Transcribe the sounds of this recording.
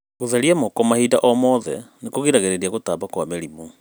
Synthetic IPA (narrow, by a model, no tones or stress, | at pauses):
ɣoðaɾiamɔkɔmahiːdaʔɔmɔðɛ̰nekoɣeɾaɣeɾeɾiaɣotabakwameɾimu